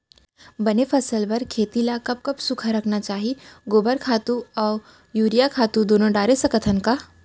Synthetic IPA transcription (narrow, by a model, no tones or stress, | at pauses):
bɐnepʰɐsəlbɐɾkʰeːt̪ilakɐb̚kɐbsʊkʰaɾɐkʰnat͡ʃaːɦiɡoːbəɾkʰaːt̪uɔːɾ | juːɾijakʰaːt̪ud̪oːnõɖaːɾesɐkət̪ʰənkaː